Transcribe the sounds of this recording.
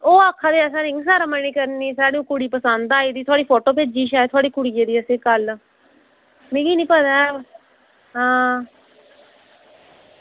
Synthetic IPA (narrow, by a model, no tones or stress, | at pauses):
oːaːkʰːaːd̪eːɛs̬aːɾɪŋɡs̬aːɾaːməniːkəɾniːsaːɽiːũːkʊɽiːpəsənd̪aːiːd̪iːt̪ʰʊaːɽiːpʰoːʈoːped͡ʒiːʃaːt̪ʰoaːɽiːkʊɽiːeːd̪iːəseːkəl | mẽːɡiːnĩːpəd̪a | ɦãː